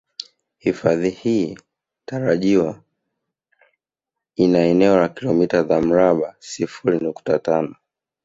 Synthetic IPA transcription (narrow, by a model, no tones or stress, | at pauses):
hifaðihiː | taɾaʄiwa | inaɛnɛɔlakilɔmitazam̩ɾaɓasifuɾinuktatanɔ